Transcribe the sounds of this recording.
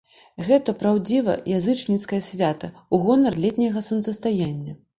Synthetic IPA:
ɣɛt̪ɐpɾawd͡zʲivɐ̰jazɨt͡ʂnʲit̪skɐjɐsʲvʲat̪ɐuɣɔnɐrlʲɛt̪ʲnʲɐɣɐsunsɐst̪ajanʲːɐ

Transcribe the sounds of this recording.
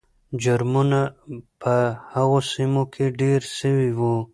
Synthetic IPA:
d͡ʒʊɾmunapʰəhaɣosimokʰeɖeɾsəwiwu

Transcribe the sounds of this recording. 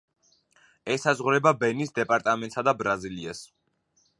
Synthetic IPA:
ɛsazʁɾɛbabɛnisd̪ɛpʼaɾt̪ʼamɛnt̪ʼsad̪abɾazilias

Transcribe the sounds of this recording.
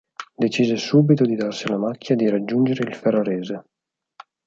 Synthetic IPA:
d̪et͡ʃiːzesuːbit̪od̪id̪arsilamakʰʲːjad̪iɾad͡ʒːund͡ʒeɾeilferːoɾɛːze

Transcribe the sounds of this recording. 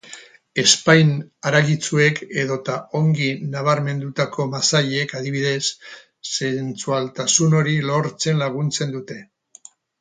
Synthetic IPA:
e̞spajnaɾaɣit͡sue̞kʰe̞ðo̞t̪ao̞ŋɡinaβaɾme̞nd̪ut̪ako̞masaʎekaðiβ̞iðe̞sː | ent͡sualt̪asuno̞ɾilo̞ɾt͡se̞nlaɣ̞unt͡se̞nd̪ut̪e̞

